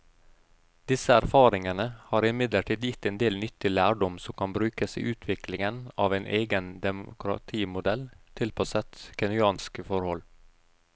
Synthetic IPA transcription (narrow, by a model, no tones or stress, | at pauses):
d̪̥ɪsəæɾfɑːɾɪŋənəhɑːɾɪmɪd̪ləʈʰiːd̪jɪt̪ːɛːnd̪eːlnʏt̪ɪlæːɖɔmsɔmkʰɑnbɾʉːkəsḭːʔʉːt̪ʰʋɪklɪŋənɑːʋæɪnʔeːɡənd̪ɛmʊ̰kɾɑ̰t̪ʰiːmʊd̪ɛlt̪ʰɪlpʰɑsət̪kʰɛnʏɑːnskəfɔɾhɔl